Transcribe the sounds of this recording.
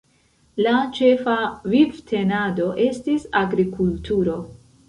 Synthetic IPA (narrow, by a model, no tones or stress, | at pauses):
lat͡ʃe̞favivtʰe̞nado̞ʔe̞stisaɡɾikultuɾo̞